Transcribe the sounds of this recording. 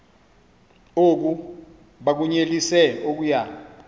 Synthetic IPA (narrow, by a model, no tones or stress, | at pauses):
ok̬u | ɓak̬uɲelisɛok̬uja